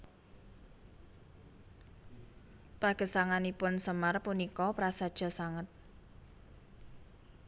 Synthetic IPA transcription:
paɡ̥ə̤saŋanipʊnsəmarpunikɔpɾasad̥ʒ̥ɔ̤saŋət̪̚

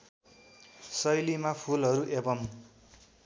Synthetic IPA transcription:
sʌjlimapʰulɦʌɾuʔebʌm

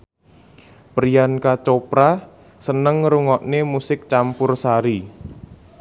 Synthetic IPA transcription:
pɾijankat͡ʃopɾa | sənəŋːɾuŋɔʔnemusɪk̚t͡ʃampʊrsaɾi

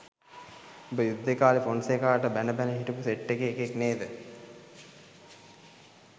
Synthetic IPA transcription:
obəjud̪ːekaːlifonsekaːʈəbænəbænəɦiʈupuseʈːekeːkekneːd̪ə

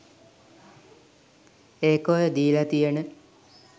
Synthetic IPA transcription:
eːkojəd̪iːlat̪ijənə

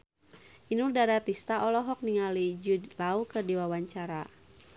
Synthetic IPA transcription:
inurdaɾat̪ist̪aʔɔlɔɦɔk̚niŋalid͡ʒudlaukɨrdiwawaɲt͡ʃaɾa

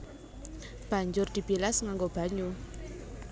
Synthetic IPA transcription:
b̥a̤ɲd͡ʒʊrd̪̥i̤b̥ilasŋaŋɡob̥a̤ɲu

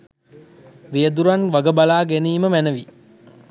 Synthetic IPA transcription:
riəd̪uɾanʋaɡəbalaːɡeniːməmænəʋi

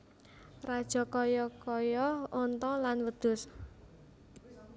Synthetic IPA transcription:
rad̥ʒ̥ɔ̤kɔjɔkɔjɔɔnt̪ɔlanwəd̪̥ʊ̤s

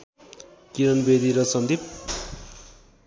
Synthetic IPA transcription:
kiɾʌnbed̪iɾʌsʌnd̪ʱip̚

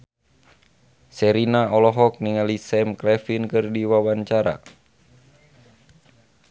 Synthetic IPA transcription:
sɛɾinaɔlɔɦɔk̚niŋalisɛmkɾɛfinkɨrdiwawaɲt͡ʃaɾa̰

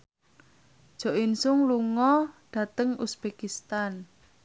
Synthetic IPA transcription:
ʒ̥o̤ʔinsʊŋluŋɔɖ̥ä̤t̪əŋusb̥ekist̪an

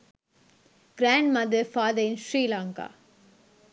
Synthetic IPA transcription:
ɡ̥ɾæːɳɖmɐd̪ɐɾfaːd̪əɾɪ̃nʃɾiːlaːŋka̰ː

